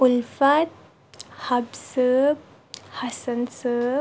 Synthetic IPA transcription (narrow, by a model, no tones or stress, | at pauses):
ulfat̪̚ | habsəb | hasənsə